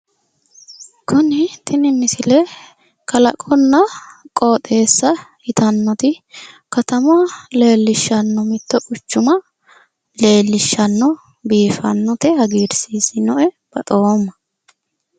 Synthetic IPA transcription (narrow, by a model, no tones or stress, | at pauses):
kʊnɪt̪ʰɪnɪmɪsɪlɛ | kʰɐlɐ̰kʼɔnːɐkʼoːt̪ʼe̞ːsːɐhɪt̪ɐnːɔt̪ɪ | kɐt̪ɐmʊɐle̞ːlːɪʃːɐnːɔmɪt̪ːɔʔʊt͡ʃːʊmɐ | le̞ːlːɪʃːɐnːɔ | biːfɐ̰nːɔt̪ɪhɐɡiːɾsiːsɪnɔʔɛ | b̥ɐt̪ʼomːɐ